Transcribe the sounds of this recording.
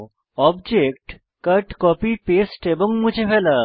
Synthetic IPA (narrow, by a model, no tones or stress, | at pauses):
ɔbd͡ʒekʈ | kəʈkɔpipesʈebɔŋmud͡ʒʱefɛlɐ